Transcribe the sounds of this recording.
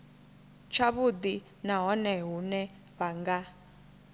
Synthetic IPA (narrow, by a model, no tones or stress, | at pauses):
t͡ʃʰaβud̪i | naɦɔnɛɦunɛ | βaŋɡa